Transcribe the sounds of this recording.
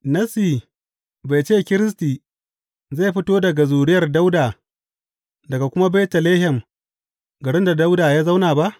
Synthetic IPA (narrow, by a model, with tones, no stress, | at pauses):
nɐ˦siː˨ | ba˨jt͡ʃeː˦˨kʲɪ˦ɾɪ˦s̬tiː˨ | ze˦˨ɸɪ˦toː˦dɐ˨ɡa˨zuː˨ɽɪ˦jɐ˨rda˦wdaː˨ | dɐ˨ɡa˨kʷʊ˦ma˦bɛ˦tɐ˨leː˦ɦɛ˨m | ɡɐ˨ɽɪ˦nda˨da˦wdaː˨jaː˦za˦wnaː˨ba˦ʔ